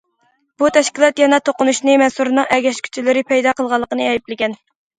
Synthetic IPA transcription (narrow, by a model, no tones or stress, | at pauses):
b̥ut̪ʰɛʃkʲilˠɑt̪jɛnɛt̪ʰoqʊnuʃnɨmɛnsuɾɨnɨŋʔɛɡʲɛʃkʲʰy̥t͡ʃʰilɪɾɪpʰɛjd̪ɑqəlˠʁɑlˠːəqənɨɛjiplɪɡʲɛn